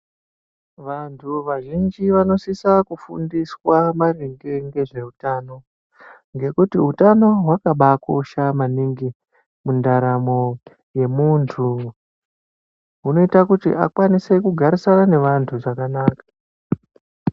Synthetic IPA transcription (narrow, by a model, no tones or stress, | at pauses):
ʋantʰuʋaʒind͡ʒiʋano̞sisakufṵndiswamariŋɡe̞ŋɡe̞ʐe̞utano̞ | ŋɡe̞kutiɦutano̞ɦwakaɓako̞̰ʃamaniŋɡi | mundaɾamo̞ | je̞muntʰu | ɦuno̞itakutḭʔa̰kwanise̞kuɡʱaɾisanane̞ʋantʰuʐakanaːkḁ